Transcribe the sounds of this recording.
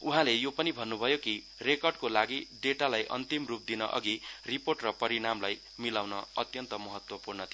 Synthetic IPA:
uɦãlejopʌnibʱʌnːubʱʌjoki | rekʌrɖkolaɡiɖeʈalajʔʌ̰nt̪imrup̚d̪inʌʔʌ̰ɡiriporʈrʌpʌɾiɽamlaj | milawnʌʌt̪jʌnt̪ʌmʌɦʌt̪wʌpurnʌt̪ʰi

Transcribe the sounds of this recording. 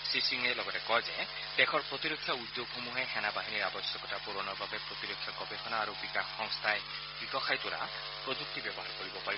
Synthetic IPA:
sisiŋelɔɡɔtekɔjzɛ | tekʰɔɹpɹot̪iɾokʰːjɔud̪ːjoɡɦomuɦexɛnabaɦiniɹabɔsjɔkɔtapuɾɔnɔbʱabepɾot̪iɾokʰːjɔkɔbexʰɔnaːɾubikaxːɔŋst̪ʰae | bikɔkʰajt̪uɾa̰ | pɹod͡ʒuk̚t̪ibjɔbɔɦaɹkoɹibɔpai

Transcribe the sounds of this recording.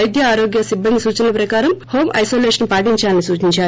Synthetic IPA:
jd̪jɐaːɾoːɡjɐsibːɐnd̪isuːt͡ʃɐnɐpɾɐkaːɾɐmho̞ːmʔɐ̰jsoːleːʂɐnpaːʈiɲt͡ʃaːlɐnisuːt͡ʃiɲt͡ʃaː

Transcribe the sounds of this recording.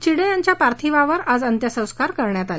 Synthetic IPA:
t͡ɕiɽẽjaɲt͡ɕjapaɾt̪ʰiʋaʋəɾad͡zənt̪jəsə̃w̃skaɾkəɾɳjat̪ale

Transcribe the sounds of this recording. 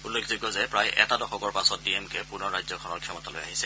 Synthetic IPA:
ulːekʰziɡɔzɛpɹajʔɛ̰tadɔxɔkɔɹpasɔt̚diemkɛpuɹnɔɹajzɔkʰɔnɔɹkʰiɔmɔtalo̰jaɦisɛ

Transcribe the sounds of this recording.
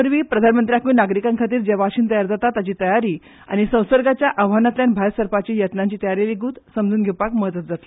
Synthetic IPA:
əɾʋiːpɾəd̪ʱanmənt̪ɾjakʋiːnaɡɾikãŋkʰat̪iːɾd͡ʑeʋaɕiːnt̪əjaɾd͡zat̪at̪ːat͡ɕiːt̪əjaɾiː | a̰ñisə̃w̃səɾɡat͡ɕjaʔəʋ̤anat̪ljanbʱaɾsəɾpat͡ɕiːjət̪naɲt͡ɕiːt̪əjaɾeliɡuːt̪səmd͡zuːnɡʱepakməɦət̪ʋət̪̚d͡zat̪l

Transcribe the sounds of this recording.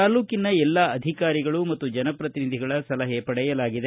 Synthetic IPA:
aːluːkinɐɛlːaɐd̪ʱikaːɾiɡɐɭumɐt̪ːud͡ʒɐnɐpɾɐt̪inid̪ʱiɡɐɭɐsɐlɐɦepɐɽɛjɐlaːɡid̪e

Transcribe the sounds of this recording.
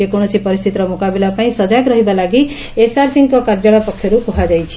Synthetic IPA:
ekɔɽ̃ɔsipɔɾist̪ʰit̪ɔɾɔmukabilapaĩsɔd͡ʒaɡɾɔɦibalaɡi | esaɾsiŋkɔkaɾd͡ʒɔɭɔpɔkʰjɔɾukɔɦad͡ʒajt͡ʃʰi̥

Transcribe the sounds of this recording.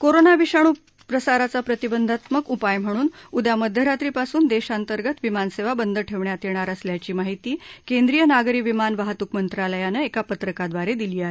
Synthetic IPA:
koɾonaʋiɕaɽ̃uː | pɾəsaɾat͡sapɾət̪ibənd̪ʱat̪məkupajm̤əɽ̃uːnud̪jaməd̪ʱjəɾat̪ɾiːpasuːnd̪eɕant̪əɾɡət̪ʋimanseʋabənd̪ʱəʈʰeʋɳjat̪jeɳ̃aɾəsljat͡ɕiːmaɦit̪iːkend̪ɾijənaɡɾiːʋimanʋaɦat̪ukmənt̪ɾaləjanəekapət̪ɾəkad̪ʋaɾed̪iliːaɦe

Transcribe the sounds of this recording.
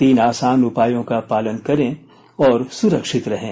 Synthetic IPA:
t̪iːnaːsaːnʊpaːjõkapaːlənkɐɾẽ | ɔːɾsʊɾəkʃɪt̪ɾɐɦḛ̃ː

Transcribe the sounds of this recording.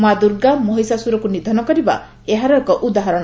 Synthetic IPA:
mad̪uɾɡamɔɦisasuɾɔkunid̪ʱɔnɔkɔɾiba̰ | eɦaɾɔekɔʔud̪aɦɔɾɔɽ̃

